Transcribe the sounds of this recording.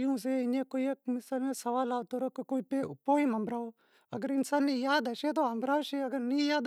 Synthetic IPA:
jũːs̬eɪnẽːkoːiekmɪsaːlmẽːsɐʋaːlaːʋt̪oɾoːkikoːipepoːimɐmbɾaːo | ɐ̰ɡəɾɪnsaːnːijaːd̪ɐʃeːt̪̬oɐmbɾaːoʃeɐɡəɾnĩjaːd̪

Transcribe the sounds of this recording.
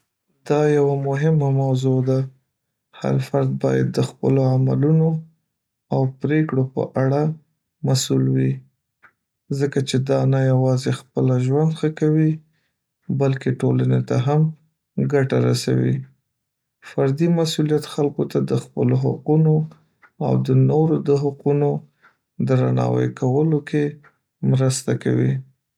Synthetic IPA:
d̪̥ɑjawamʊɦɪmamawzod̪a | ha̰ɾfaɾd̪̚bɑ̰ja̰d̪̚ːəxpə̰loamaluno | awpɾekɽopə̰ʔaɽa | masulwi | zəkat͡ʃed̪ɑnajawɑzexpəlaʒwand̪xəkawi | balkeʈolanet̪aɦam | ɡaʈaɾasa̰wḭ | faɾd̪imasulijat̪xalkot̪ad̪əxpəloɦaquno | a̰wd̪ənoɾod̪əɦaquno | d̪ɾanɑ̰wə̰jkʰawəlokʰe | mɾəst̪aka̰wḭ

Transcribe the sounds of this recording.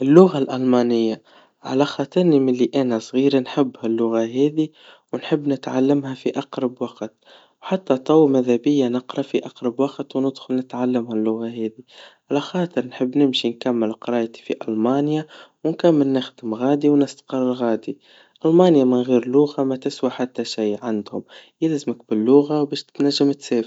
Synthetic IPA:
ʔɪlːʊɣalʔɑlmɑːnɪjːa | ʕa̰læxɑːt̪ˤɨɾˤnimɪlːiʔænasˤɣiːɾanħɪbːhælːʊɣaɦɛːði | wnħəbːnɪt̪ʕalːəmhæfiʔɑqɾˤɑbwɑqt̪ | wħat̪ːæt̪ˤɑwmæðhæbɪjːanəqɾˤɑfiʔaqɾˤɑbwɑqt̪wnɪd̪xʊlnɪt̪ʕalːəmhælːʊɣaɦɛːðiʕalaxɑːt̪ˤɨɾnħəbːnɪmʃinkamːɪlqɑɾˤɑːjt̪i̥fiʔɑlmaːnjawɪnkamːəlnɪxd̪ɪmɣaːd̪iwnɪst̪qɑrˤːɪlɣaːd̪i | ʔɑlmɑːnjamɪnɣiːɾlʊɣamæt̪ɪswaħat̪ːaʃajʕand̪hʊmjɪlzmɪkbɪlːʊɣawbeːʃt̪naʒːɪmt̪seːf

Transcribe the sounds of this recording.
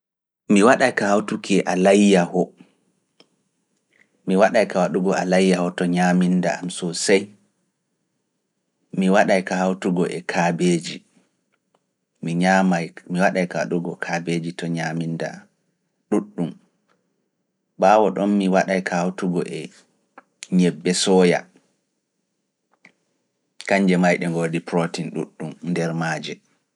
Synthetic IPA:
miwaɗajkahawtukʰɛʔalajːahɔ | miwaɗajkawaɗuɡɔa̰lajːahɔtɔɲaminda̰amsɔsaj | miwaɗajkahawtuɡɔʔɛkʰabeːd͡ʒi | miɲamajmiwaɗajkaɗuɡɔkʰabed͡ʒitɔɲaminda̰ | ɗuɗːum | baːwɔɗɔnmiwaɗajkʰahawtuɡɔ̰ʔɛ | ɲɛbːɛsɔːja̰ | kaɲd͡ʒɛmajɗɛŋɡodipɾotinɗṵɗːumndɛɾmaːd͡ʒɛ

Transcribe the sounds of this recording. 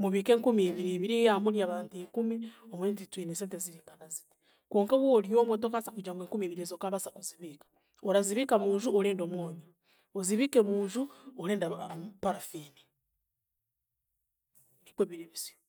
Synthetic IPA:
muβiːke̞ːŋkumiːβiɾiːβiɾiamuɾjaβaːntikumiomweːntitwiːnesenteziɾiːŋɡanaziti̥ | koːŋkaβwoljomotokasakud͡ʒaːŋɡeŋkumiːβiɾiezokaβasakuziβikḁ | oɾaziβikamuːʒuoɾeːndomwoːɲa | oziβikemuːʒuoɾeːndapaɾafini | nikweːβiɾeβizio

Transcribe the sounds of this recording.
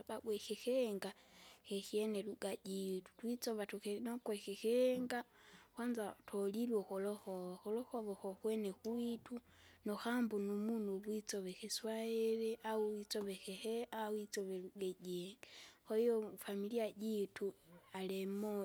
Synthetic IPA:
babwexexeŋɡaxexjeneluɡaɟitu̥twit͡soβatxenokwexexeŋɡaxwanzatʰolilwoxoloxoβaxoloxoβoxoxwenexwitu | noxambunumunuβwit͡soβexeswaeɾeʔawuwit͡soβexeheawit͡soβeluɡeɟeŋɡexoijofamiliaɟitualemo

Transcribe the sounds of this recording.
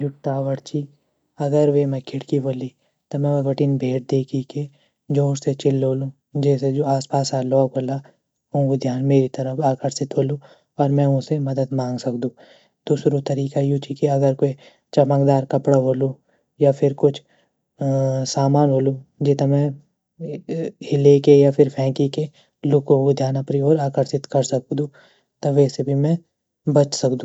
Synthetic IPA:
jʊʈːaːʋəɽt͡ʃi | ɐɡəɾʋemɛ̃kʰɪɽkiboːli | t̪omɛ̃ʋɐɡɐʈiːnbʱeːʈ̚d̪eːkʰike | d͡ʒõːɾset͡ʃɪlɦoːlũ | d͡ʒɛːsed͡ʒoːaːspaːsaːlɔːkoːla | õʋɪd̪ʱjaːnmeːɾit̪ɐɾəfaːkəɾsɪt̪ɦoːlũ | ɔːɾmɛ̃ʊ̃semɐd̪əd̪mãːŋɡsɐkd̪ũː | d̪uːsɾot̪ɐɾiːkajut͡ʃikiɐɡəɾkoi | t͡ʃɐmãːkd̪aːɾkɐpɽaɦoːlu | japʰɪɾkʊt͡ʃʰ | saːmaːnɦoːlud͡ʒeːt̪amɛ̃ | hɪlekejapʰɪɾpʰɛ̃ːkike | lʊkoʊd̪ʱjaːnɐpɾioːɾaːkəɾsɪt̪kɐɾsɐk̚d̪ũː | t̪oʋɛːsebʱimɛ̃ | bɐt͡ʃsɐkd̪ũː

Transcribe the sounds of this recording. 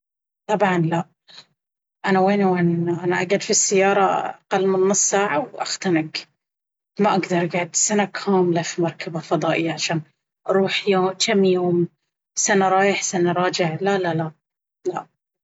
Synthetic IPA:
t̪ˤɑbʕɑnlaʔ | ʔanaweːnwaːnʔanaʔaɡad̪fisːajːɑːɾˤɑaqɑlːmɪnːʊsˤsaːʕawʔa̰xt̪anɪɡ | maʔaɡd̪ɑɾˤʔaɡaʕd̪sanakʰaːmlafimɑɾˤkʰabafɑd̪ˤɑːʔɪjːaʕaʃaːn | ʔɑɾˤuːħjoːt̪ʰamːjoːm | sanaɾˤɑːjɪħsanaɾˤɑːd͡ʒɪʕlalala | laʔ

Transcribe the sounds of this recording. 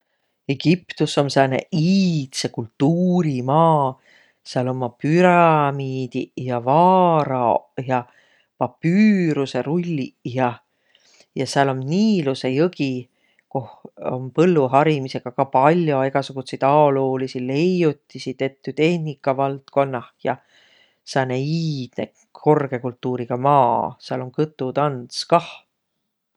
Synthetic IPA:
e̞ɡ̥ipt̪usːo̞msenḛiːt̪se̞kult̪ːuːɾimɑː | seɑlo̞mːɑpyɾɑmiːd̪̥ijɑvɑːɾɑjɑ | pɑpːyːɾuse̞ɾulʲːijɑ | jɑseɑlo̞mniːluse̞jɤki | koho̰mpɤlːuɦɑɾimise̞ɡ̥ɑkɑpɑlʲjo̞eɡ̥ɑsuɡ̥usejd̪̥ɑoloːlisile̞jut̪ʲːisid̪e̞t̪ˑːyt̪e̞hnikːˑɑvɑlt̪ko̞nːɑhjɑ | sɑneiːd̪̥ne | kʰo̞rɡ̥e̞kult̪ːuːɾiɡ̥ɑmɑːseɑlo̞ŋkɯt̪ːˑut̪ɑnskɑh

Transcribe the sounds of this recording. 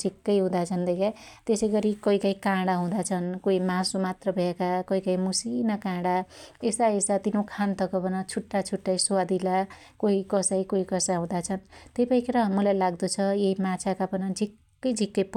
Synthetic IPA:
d͡zʱikːʌjɦũd̪at͡sʰʌnd̪ʌjkat̪esʌjɡʌɾikʌikaj̃kãɽaɦũd̪at͡sʰʌnkoimasomat̪rʌbʱʌekakʌikaj̃musinʌkãɽaesaesat̪inokʰant̪ʌkʌbʱʌnʌt͡sʰuʈːat͡sʰuʈːajsad̪ila | koɦikʌsajkoikʌsaɦũd̪at͡sʰʌnt̪ejpaĩkʰeɾʌmʌlajlaɡd̪ʌt͡sʰʌjeimat͡sʰakapʌnʌd͡zʱikːʌjd͡zʱikːʌp

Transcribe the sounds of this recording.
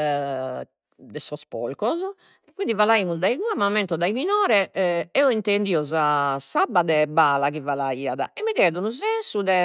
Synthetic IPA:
d̪ɛsɔspɔ̰lkɔz | ɛkːwind̪ivalaimuzd̪aiɣuamːamːɛnt̪ɔd̪aiminɔːɾɛʔɛɔint̪end̪iːɔzasabːad̪ɛbaːlakivalaiːaða̰ɛmːikɛðunuzɛnsuðɛ

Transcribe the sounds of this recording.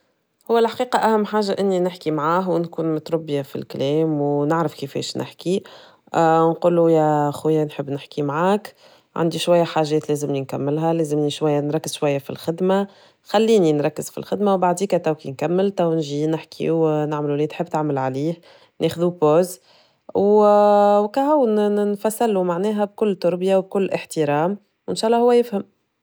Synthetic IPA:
hʊwːælħḁqiːqɑʔæhæmːħaːʒaʔɪnːinɪħkimʕaːɦwnkuːnmʊt̪ɾʊbːjafḭlklɛːmwnɪʕɾəfkifɛ̰ːʃnʔɪ̰ħki | nqulːujæxujːanħəbːnɪħkimʕaːk | ʕa̰nd̪iʃwæjːæħaːʒːɛːt̪lɛːzɪmninkæmːɪlɦælɛːzɪmniʃwæjːænɾˤɑkːɪz̥ʃwæjːafḭlxɪd̪ma | xælːiːninɾˤɑkːɪz̥fḭlxɪd̪mawbaʕd̪iːkæt̪ˤɑwkinkæmːɪlt̪æwnʒiːnɪħkʰḭunaʕmluliːt̪ħɪbːt̪aʕməlʕaliːh | nʔeːxðupoːz | w | wkæhawnnfæsːalumaʕnɛːɦæb̚kʊlːt̪ʊɾbjawb̚kʊlːʔɪħt̪iɾɑːm | wʔɪnʃɑːlˤːɑhʊwːæjɪfhæm

